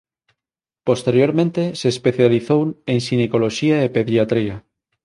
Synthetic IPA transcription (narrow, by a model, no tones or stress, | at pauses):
post̪eɾjoɾmẽnt̪eseːspeθjaliθoweŋsinekoloʃiaepeðjat̪ɾia